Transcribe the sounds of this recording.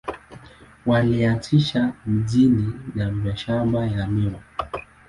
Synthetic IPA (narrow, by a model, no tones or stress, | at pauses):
waliatʰiʃamiʄininamiaʃamajamiɔ